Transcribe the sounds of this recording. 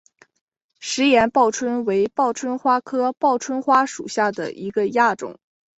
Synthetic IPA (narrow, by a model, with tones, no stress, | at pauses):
ʂɻ̩˧˥jɛ˧˥npɑ˥˩ʊʈ͡ʂʰwə˥nwe˧˥ɪpɑ˥˩ʊʈ͡ʂʰwə˥nxwa˥kʰɤ˥pɑ˥˩ʊʈ͡ʂʰwə˥nxwa˥ʂṵ˨˩ɕja˥˩d̪ə̰˩ʔi˧˥ɡə˧ja˥˩ʈ͡ʂʊ̰˨˩˦ŋ